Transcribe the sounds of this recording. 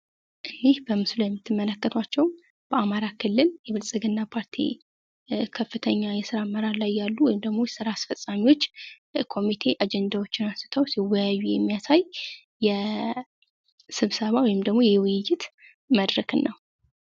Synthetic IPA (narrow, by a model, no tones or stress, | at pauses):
ʔɨnːihbəmɨslujɛmːɨt̪ʰːɨmːələkːət̪ʰwat͡ʃːɛw | b̥əʔamaɾakʰɨlːɨljɛβɨlsʼɨɡɨnːapʰaɾt̪ʰḭ | kʰəfːɨt̪ʰəɲːajɛsɨɾaməɾaɾlajːalːuwɔjɪmd̪əɡmo̞jɛsɨɾaːsfəsʼamiwo̞t͡ʃː | kʰo̞mit̪ʰe̞ʔad͡ʒɛnd̪awot͡ʃːɪnasɨ̥t̪ʰəwsiwajajːujɛmːijasajː | ɛ | sɨβsəβawɔjɪmd̪əɡmo̞jɛwɨjɪjːɪt̪ | məd̪ɾəkɨnːəw